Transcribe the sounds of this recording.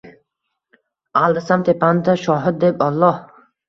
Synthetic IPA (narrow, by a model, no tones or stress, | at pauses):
alˠd̪asamt̪ʰepʰand̪aʃɒɦɪd̪̚d̪epɒlˠːɒh